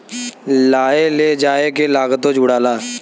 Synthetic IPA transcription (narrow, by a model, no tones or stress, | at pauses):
laːeleːd͡ʒaːekelaːɡət̪õd͡ʒʱuːɽaːlaː